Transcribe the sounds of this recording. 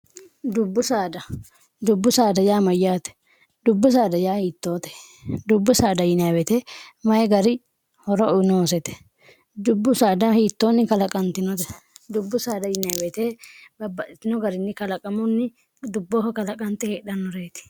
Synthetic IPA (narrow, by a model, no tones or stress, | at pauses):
d̪ʊbːʊsaːd̪ɐ | d̪ʊbːʊsaːd̪ɐjaːmɐjːaːt̪ɛ̥ | d̪ʊbːʊs̬aːd̪ɐjaːhiːt̪ːo̞ːt̪ɛ̥ | d̪ʊbːʊsaːd̪ɐjɪnaːbɛt̪eːmɐjɛɡɐɾɪ | hɔɾɔɔnoɔsɛt̪ɛ̥ | d̪ʊbːʊsaːd̪ɐhiːt̪ːoːnːɪkɐlɐkʼɐnt̪ɪnɔt̪ɛ̥d̪ʊbːʊsaːd̪ɐjɪnabɛt̪eːbɐbɐʔɪt̪ːɪnɔɡɐɾɪnːɪkɐlɐkʼɐmʊnːɪ | d̪ʊbːoːhɐkɐlɐkʼɐnt̪ɛheːᶑɐnːɔɾeːt̪ɪ̥